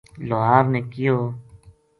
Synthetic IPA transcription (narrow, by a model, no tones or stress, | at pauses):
loɦaːɾnẽːkɪjoː